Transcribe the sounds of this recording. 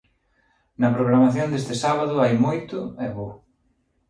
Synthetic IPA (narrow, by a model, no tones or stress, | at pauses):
nɐpɾoɣɾamaθjond̪est̪ɪsaβaðʊajmojt̪ʊɛβo